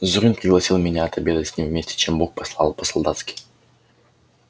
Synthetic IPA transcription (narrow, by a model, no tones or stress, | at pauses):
zʊɾʲinprʲɪɡlˠɐsʲilˠmʲenʲaɐt̪ɐbʲed̪ətʲsʲnʲimvmʲesʲt̪ʲe̥t͡ʃʰembuk̚pɐslˠalˠpəsɐlˠd̪at̪skʲi̥j